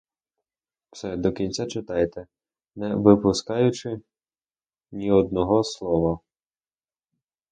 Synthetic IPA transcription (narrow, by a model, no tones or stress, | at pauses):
w̥sɛd̪ɔkʲinʲt͡sʲat͡ʃɪt̪ɑjt̪ɛ | nɛʋɪpʊskɑjʊt͡ʃɪ | nʲiɔd̪̚nɔɦɔslˠɔʋɔ